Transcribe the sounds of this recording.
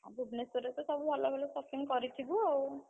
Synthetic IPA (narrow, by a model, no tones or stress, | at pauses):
a̰bubnesuɾesesɔbubʱalɔbʱalɔsɔpʰiŋkɔɾit̪ʰibuaw